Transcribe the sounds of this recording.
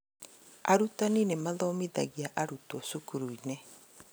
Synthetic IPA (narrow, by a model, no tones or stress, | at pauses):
a̰ɾutaninemaðɔmiðaɣiaʔaɾutwɔsukuɾuine